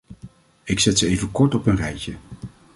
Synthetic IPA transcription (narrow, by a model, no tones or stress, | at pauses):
ɪksɛtsəejvəkɔɹtɔpənrɛjcə